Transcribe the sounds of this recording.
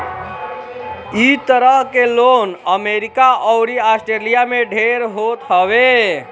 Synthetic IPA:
it̪əɾəɦkelonəmeɾikaʔɔʊɾiasʈɾelijameɖʱeɾɦot̪ɦəʋe

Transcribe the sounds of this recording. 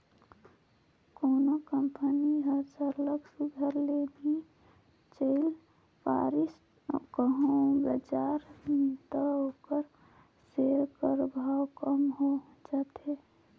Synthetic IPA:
koːnokəmpəniɦəd͡ʒəɾləɡsuɡʱəɾlebʱi | t͡ʃəɪl | pa̰ːɾɪs | kəɦõbəd͡ʒaːɾnit̪aɦoːkəɾ | seːɾkəɾbʱaːkəmɦo | d͡ʒat̪e

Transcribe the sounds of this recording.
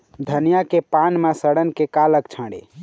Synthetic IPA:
d̪ʱənjakepanmasəɽənkekaləkt͡ʃʰə̃ɽḛ

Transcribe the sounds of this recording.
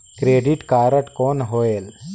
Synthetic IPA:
kɾeːɖiʈkaːɾəʈkoːnɦoːeːl

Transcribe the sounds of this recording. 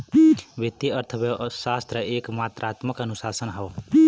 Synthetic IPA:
bit̪ːiəɾt̪ʰəbesast̪ɾəekmat̪ɾat̪məkənusasənɦəw

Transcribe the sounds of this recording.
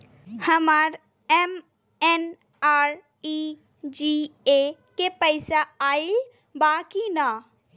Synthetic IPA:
həmaɾ | em | en | aːɾ | i | d͡ʒie | kepəɪsaaːil | baːkina

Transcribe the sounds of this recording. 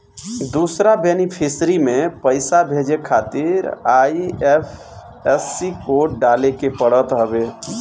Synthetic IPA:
d̪usɾabenipʰisɾimepəɪsabʱed͡ʒekʰat̪iɾajiepʰ | ɛsːikoɖalekepəɽət̪ɦəbe

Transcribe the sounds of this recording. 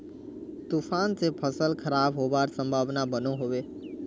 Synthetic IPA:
t̪ufʰaːnsepʰəsəlkʰəɾaːbɦoːbaːɾsə̃mbʱaːʋnabənoɦoʋeː

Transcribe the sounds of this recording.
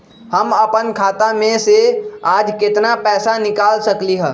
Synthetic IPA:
həməpənkʰaːt̪amẽseaːd͡ʒkɪt̪napɛːsanɪkaːlsəkliɦɛ̃ː

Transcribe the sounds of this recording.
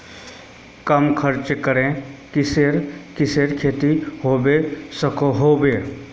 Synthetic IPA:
kəmkʰəɾt͡ʃkəɾẽkɪseɾkɪseːɾkʰeːt̪iɦoːbesəkoɦoːbeː

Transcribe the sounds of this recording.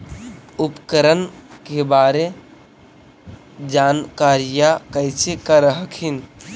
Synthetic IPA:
ʊpkəɾənkebaːɾe | d͡ʒaːnkaːɾijakəɪsekaɾəɦəkʰin

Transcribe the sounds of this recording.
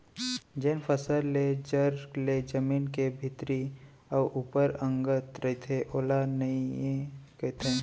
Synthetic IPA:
d͡ʒenpʰəsəɾled͡ʒəɾled͡ʒəmiːnkebʱɪt̪ɾi | ɔʔupəɾə̃ŋɡət̪ɾəɦit̪ʰeʔoːlanəiekət̪ʰẽ

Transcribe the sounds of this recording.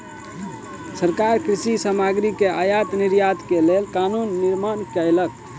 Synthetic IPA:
səɾkaɾkɾisisamaɡɾikeajat̪niɾjat̪kelelkanunːiɾmankəjlək̚

